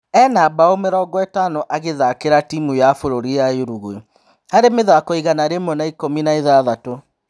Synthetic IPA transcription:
ɛnabaomeɾɔːɡɔetanoʔaɣeðakeɾatimujafoɾoɾijajoɾuɣwe | haɾemeðaakoiɣanaɾemɔnaikominaiðaðato

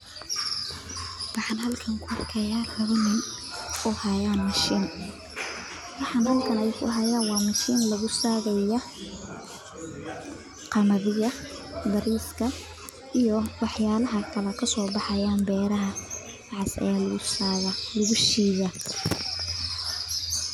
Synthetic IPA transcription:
wɑħɑnɦɐlkʰɐŋkʰʊɑrkʰɛjaːlɐβɐnɪnɔhɐjaːnmɐʃiːn | wɑħɑnhɐlkʰɐnɛjkʰʊ̰ɦɐjaːnwɑːmɐʃiːnlɐɣʊsaːɣɐjɐ | qɑmɐðɪɣɐbɐɾiːskʰɐ | ijɔwɑħjaːlɐɦɐkʰɐlɛkʰɐsɔːbɑħɑjaːnbɛːɾɐɦɐ | ʕɪsɐ̰jaːlɐɣʊsaːɣɐlɐɣʊʃiːɣɐ

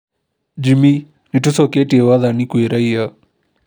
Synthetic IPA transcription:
d͡ʒimi | nitusɔketiɛwaðanikuiɾaia

